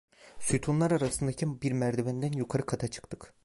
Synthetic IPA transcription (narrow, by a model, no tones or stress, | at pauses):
syt̪ʰunlˠaɾaɾasɯnd̪acʰibiɾmæɾd̪ebɛnd̪ænjukʰaɾɯkʰat̪ʰat͡ʃʰɯ̥kt̪ʰɯ̥k